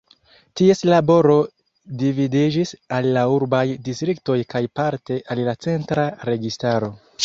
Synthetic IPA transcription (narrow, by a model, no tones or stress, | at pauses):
tie̞slabo̞ɾo̞ | dividid͡ʒisalːauɾbajdistɾikto̞jkajpaɾte̞ʔallat͡se̞ntɾaɾe̞ɡistaɾo̞